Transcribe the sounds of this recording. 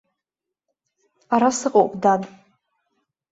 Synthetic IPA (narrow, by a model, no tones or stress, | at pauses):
aɾasɨqʼowpʼdan